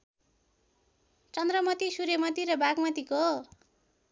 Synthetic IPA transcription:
t͡sʌnd̪rʌmʌt̪isuɾemʌt̪iɾʌbaɡmʌt̪iko

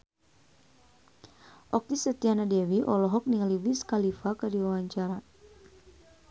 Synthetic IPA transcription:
ʔɔk̚t̪isət̪ianadɛwiʔɔlɔɦɔk̚niŋliwiskalifakadiwawaɲt͡ʃaɾa

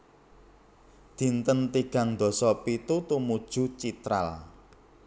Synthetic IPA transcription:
d̪̥i̤nt̪ənt̪iɡ̥ä̤ŋd̪̥ɔ̤sɔpit̪ut̪umud̥ʒ̥ṳt͡ʃit̪ɾa̰l

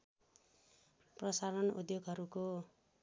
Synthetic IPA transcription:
prʌsaɾʌnṵd̪joɡɦʌɾuko

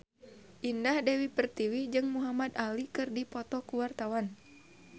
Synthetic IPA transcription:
ʔindahdɛwipərt̪iwid͡ʒɨŋmuɦamad̪alikɨrdipɔt̪ɔkuwart̪awan

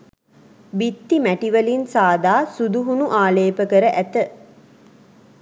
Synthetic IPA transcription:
bit̪ːimæʈiʋəlinsaːd̪aːsud̪uɦunuʔaːleːpəkəɾəʔæt̪ə

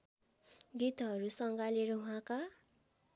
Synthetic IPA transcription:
ɡit̪ɦʌɾusʌŋɡaleɾʌɦuɦãka

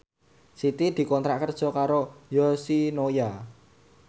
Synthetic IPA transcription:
sit̪id̪̥i̤kɔnt̪ɾaʔkərd̥ʒ̥ɔ̤kaɾojɔsinoja

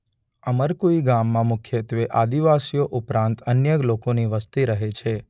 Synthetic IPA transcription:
əməɾkoiɡamːãmukʰjet̪eʋeʔad̪iʋasijoʔupɾãnt̪ənjəɡlokoniʋəst̪iɾəɦet͡ʃʰe

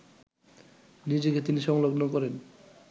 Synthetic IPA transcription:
nid͡ʑeket̪iniʃɔŋloɡnokɔɾen

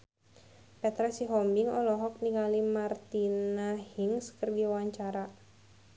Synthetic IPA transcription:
pɛt̪ɾasiɦɔmbɪŋɔlɔɦɔk̚niŋalimart̪inahiŋskərɡaawaɲt͡ʃaɾa

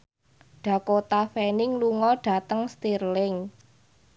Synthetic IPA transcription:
ɖ̥ä̤kot̪afɛnɪŋluŋɔɖ̥ä̤t̪əŋst̪irlɪŋ

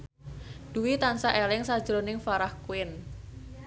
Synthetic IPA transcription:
d̥uwit̪ansaʔelɪŋsḁd͡ʒɾonɪŋfaɾahkuɪn

